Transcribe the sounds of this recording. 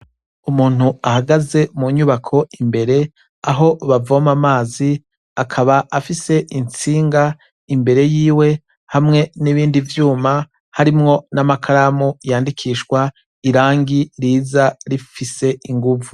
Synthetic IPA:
umuːn̥huahaɡaze̞muɲuβakʰo̞imbe̞ɾe̞ | aɦo̞βavomamaːzi | akʰaβaʔafise̞ʔint͡siːŋɡa | imbe̞ɾe̞jiːwe̞ | hamŋe̞niβiːndivjuːma | haɾimŋo̞namakʰaɾamujaːndikʰiːʃwa | iɾaːŋɡiɾiːzaɾifise̞iŋɡuvu

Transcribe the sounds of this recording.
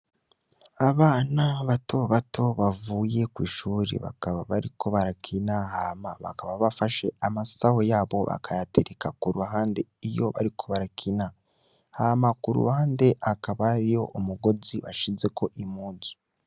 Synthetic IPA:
aβaːnaβatʰo̞βatʰo̞βavuːje̞kwiːʃuːɾḛβa̰kaβaβaɾiko̞βaɾakʰinahaːmaβa̰kaβaβafaʃe̞amasaho̞jaːβo̞̰βa̰kʰajatʰeɾekakuɾuhaːnde̞ijo̞βa̰ɾikʰo̞βaɾakʰina | haːmakuɾṵhaːnde̞ʔakaβaɾijo̞̰ʔomuɡo̞ziβa̰ʃize̞kʰo̞ʔimuːzu̥

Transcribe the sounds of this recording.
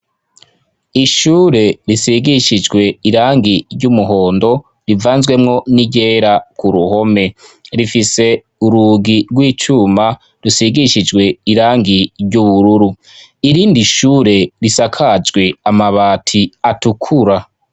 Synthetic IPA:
iʃuːɾe̞ɾisiɡiʃid͡ʒɡwe̞iɾaːŋɡiɾɟumuɦo̞ːndo̞ | ɾivaːnzɡwe̞mŋo̞niɟe̞ːɾakʰuɾuho̞me̞ɾifise̞ | uɾuɡiɾɡwiːt͡ʃuma | ɾusiɡiʃid͡ʒɡwe̞iɾaːŋɡiɾɟuβuɾuɾu | iɾiːndiʃuːɾe̞ɾisakʰad͡ʒɡwe̞amaβaːtʰiatukʰuɾa

